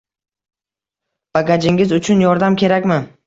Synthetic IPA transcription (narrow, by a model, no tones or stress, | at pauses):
b̥aɡʲad͡ʒɪŋʲɪzʊt͡ʃʰʊnjɒɾd̪amkʲʰe̞ɾakʲmɪ